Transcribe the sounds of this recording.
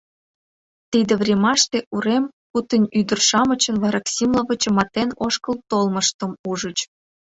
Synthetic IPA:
t̪id̪evrʲemɑʃt̪eʔuɾem | put̪ənʲyd̪ə̆rʃɑmət͡ɕə̆nvɑɾɑksʲimlovə̆t͡ɕɤmɑt̪enoʃkəlt̪olməʃt̪ə̆muʒət͡ɕ

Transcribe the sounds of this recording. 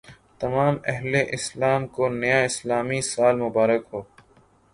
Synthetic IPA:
t̪ɐmaːmɛɦleʔɪslaːmkonɐjaːɪslaːmisaːlmʊbaːɾəkɦoː

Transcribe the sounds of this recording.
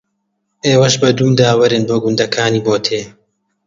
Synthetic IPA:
ʔeːwɐʃbɐd̪umd̪aːwɐɾɨnboːɡund̪ɐkʰaːniːboːt̪ʰeː

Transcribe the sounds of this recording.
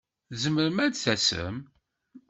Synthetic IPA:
zəməɾəmædθæsə̰m

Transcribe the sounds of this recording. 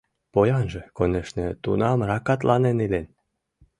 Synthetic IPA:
pojɑnʒĕkoneʃnĕt̪ṵnɑmrɑkɑt̪̬lɑnenilen

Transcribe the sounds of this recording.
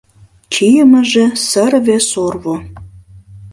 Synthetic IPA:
kijəmə̆ʒĕsəɾβesorβo

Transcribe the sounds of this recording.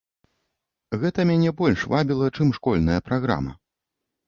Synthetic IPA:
ɣɛt̪ɐmʲanʲɛbɔlʲʂvabʲilˠɐt͡ʂɨmʂkɔlʲnɐjɐpɾaɣɾa̰mɐ̰

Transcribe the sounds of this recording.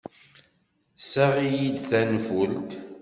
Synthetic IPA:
sæʁijid̪θænfult̪

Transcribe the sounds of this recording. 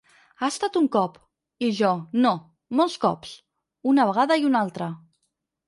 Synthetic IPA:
aəst̪at̪uŋkɔp | iʒɔno | molˠskɔps | unəβəɣaðəiunalˠt̪ɾə

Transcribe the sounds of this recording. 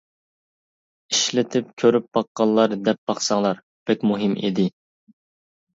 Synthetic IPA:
iʃlɪt̪ʰɪpkʲʰøɾyp̚bɑqːɑlˠːɑɾd̪ɛp̚b̥ɑχsɑŋlˠɑɾ | b̥ɛkʲmuɦɪmḛd̪ɪ

